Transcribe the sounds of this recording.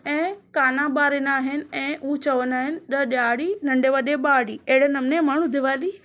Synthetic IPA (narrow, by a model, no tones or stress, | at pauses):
ɛ̃ːkaːnaɓaːɾɪnaːɦɪnɪ̆ɛ̃ːʔut͡ɕɐʋənaːɦɪnɪ̆ɗɐɗaːɽinɐ̃ɳɖeʋɐɗeɓaːɽiːeɦɽ̤enɐmnemaːɳ̤ud̪ʱɪʋaːli